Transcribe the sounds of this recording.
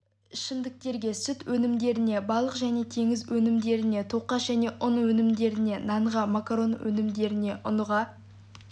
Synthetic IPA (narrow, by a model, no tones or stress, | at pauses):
ɪʃɪnd̪ɪk̚t̪e̞ɾɡʲe̞sʏt̪wɵnɪmd̪e̞ɾɪne̞bɑlˠəqʒæne̞t̪ʰe̞ŋɪzwɵnɪmd̪e̞ɾɪne̞t̪ʰoqɑʒ̥æne̞ʔʊnwɵnɪmd̪e̞ɾɪne̞nɑɴʁɑmakɾo̞nwɵ̰nɪmd̪e̞ɾɪne̞ʔʊnʁɑ